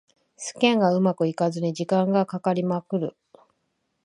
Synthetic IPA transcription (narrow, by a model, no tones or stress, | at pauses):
sɨ̥kẽ̞ŋɡaɯ̟makɯ̟ikazɨɲid͡ʑikãŋɡakakaɾʲimakɯ̟ɾɯ̟